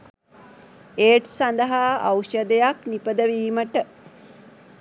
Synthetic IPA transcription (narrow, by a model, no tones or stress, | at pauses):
eːʈsand̪əɦaawʃəd̪əjaknipəd̪əʋiːməʈə